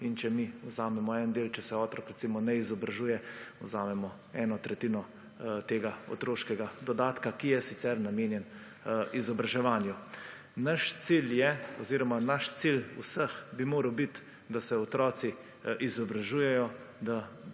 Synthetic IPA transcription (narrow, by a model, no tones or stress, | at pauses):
int͡ʃɛmiɔzaːmɛmɔɛnd̪eːlt͡ʃɛsɛɔːt̪ɾɔkɾɛt̪simɔnɛizɔbɾaʒuːjɛɔzaːmɛmɔ | ɛːnɔt̪ɾɛt̪iːnɔ | t̪eːɡaɔ̰t̪ɾoːʃkɛɡad̪ɔd̪aːt̪kakijɛsit̪sɛɾnameːnjɛn | izɔbɾaʒɛʋaːnju | naʃt̪siljɛɔziːɾɔmanaʃt̪silṵsəxbimoːɾəwbit̪ | d̪asɛɔt̪ɾɔːt̪si | ʔizɔbɾaʒuːjɛjɔ | d̪a